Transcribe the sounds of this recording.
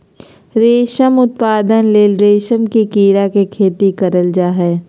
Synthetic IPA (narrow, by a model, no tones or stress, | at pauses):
ɾeːʃəmʊt̪̚paːd̪ənleːlɾeːʃəmkikiːɽakekʰeːt̪ikɐɾəld͡ʒaːɦɛː